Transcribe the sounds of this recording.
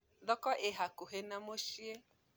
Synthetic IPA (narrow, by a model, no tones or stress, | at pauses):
ðɔkɔʔeɦakuɦenamoʃie